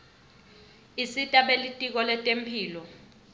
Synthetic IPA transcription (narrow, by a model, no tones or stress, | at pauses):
isitʼaɓelitʼik̬ɔlɛtʼempʰiːlɔ